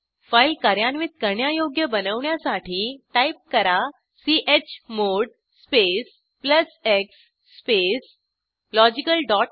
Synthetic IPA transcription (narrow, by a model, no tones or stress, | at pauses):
fajlkaɾjanʋit̪̚kəɾɳjajoɡjəbənəʋɳjasaʈʰiːʈaip̚kəɾa | siʔet͡ɕmoɽ | spes | pləseksː | pes | lɔd͡ʑikəlɖɔʈ̚